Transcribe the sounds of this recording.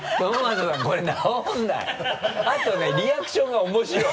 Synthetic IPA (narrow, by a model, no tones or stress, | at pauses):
onmazosakoɾenaõnd̪a̰at̪oneɾʲiakɯ̥ɕõŋɡaomoɕiɾo